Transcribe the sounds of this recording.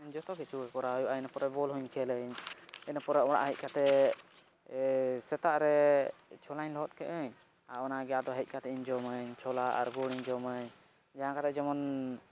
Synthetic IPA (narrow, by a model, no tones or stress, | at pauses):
ɲd͡ʒɔt̪ɔɡɛt͡ʃʰuəkɔɾaɔjuʔanəpɔɾɛbɔlɦuɲkʰɛləɲɛnəpɔɾɛɔɽa̰ʔɦəc̚kat̪ɛ | sɛt̪aʔɾɛt͡ʃʰɔlaɲlɔɦɔt̪̚kɛʔəɲ | aʔɔnaɡɛjad̪ɔɦɛc̪̚ˀkat̪ɛiɲd͡ʒɔməɲt͡ʃʰɔlaʔa̰ɾɡɔɽ̃iɲd͡ʒɔməɲ | d͡ʒaɦãkat̪ɛd͡ʒɔmɔn